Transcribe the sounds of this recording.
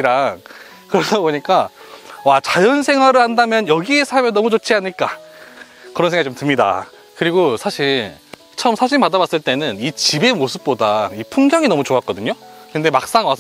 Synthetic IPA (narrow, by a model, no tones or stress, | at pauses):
ɾaŋ | kɯɾʌdaboɲik͈awat͡ɕajʌnsʰe̞ŋɦwaɾɯɭhandamjʌnjʌɡie̞sʰaɭmjʌnːʌmut͡ɕot͡ɕʰiaɲɯɭk͈a | kɯɾʌnsʰeŋɡait͡ɕomtɯmɲida̰ | kɯɾiɡosʰaɕʰiɭ | t͡ɕʰʌʌmsʰaɕ̬ʰiɭpadabas͈ɯɭt͈e̞nɯnit͡ɕibe̞mosʰɯp̚p͈odaipʰuŋɡjʌŋinʌmut͡ɕoak͈ʌdɯɲokɯnde̞mak̚s͈aŋwa